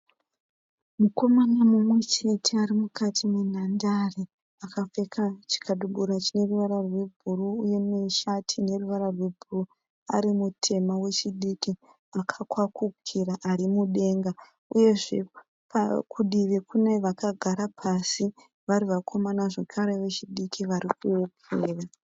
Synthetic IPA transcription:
muko̞manamumwe̞t͡ʃe̞tʰe̞aɾimukatʰimen̤andare | akafe̞kʰat͡ʃi̥kaɗuɓuɾat͡ʃine̞ruʋaɾarwe̞bʱuruːje̞meʃatʰine̞ruʋaɾarwe̞bʱuuru | a̰ɾimutʰe̞mawe̞t͡ʃiɗiki | akʰakwakukʰiraʔarimuɗe̞ːŋɡa | uje̞ʐe̞ | pakʰuɗiʋikuneʋakaɡʱaɾapʰasi | ʋaɾiʋakʰo̞manaʐekʰaɾe̞ʋe̞t͡ʃiɗikʰiʋaɾikuwopuːra

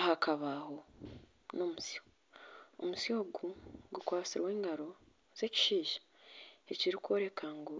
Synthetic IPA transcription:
hakaβaho̞ | no̞musjo | o̰musjo̞ːɡuɡukwaːt͡siɾwe̞ːŋɡaɾo̞ | z̥e̞ci̥ʃiːʒḁ | eciɾikwo̞ːɾe̞kaŋɡo

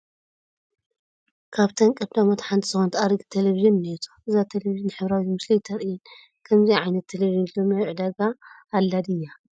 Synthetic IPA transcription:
kʰaβt̪ʰɐŋkʼɨbd̪amot̪ħant̪ʰiz̥ɨxont̪ʰaɾɨɡt̪ʰeleviʒɨnnet̪ʰoʔɨzat̪ʰeleviʒɨnħɨβɾawizmɨslijt̪ʰɐɾɨjɨn | kʰɐmziʕajnɐt̪ʰːeleβiʒɨnlomjawʕɨd̪aɡaːlːad̪ɨjːa

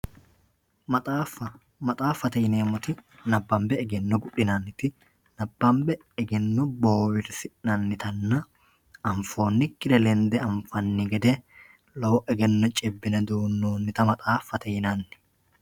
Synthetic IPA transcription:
mɐt̪ʼaːfɐ | mɐt̪ʼaːfːɐt̪ɛjneːmɔt̪ɪnɐbːɐmbɛɛɡɛnːɔɡʊᶑɪnɐnːɪt̪ɪ | nɐbːɐmbɛ | ɛɡɛnːɔboːwɪɾsɪnɐnːɪt̪ɐnːɐ | ɐɱfo̞ːnːɪkːɪɾɛlɛnd̪ɛɐɱfɐnːɪɡɛd̪ɛ | lɐwɔʔɛɡɛnːɔt͡ʃʼɛbːɪnɐd̪uːnːoːnːɪt̪ɐmɐt̪ʼaːfːɐt̪ɛjɪnanːɪ̥

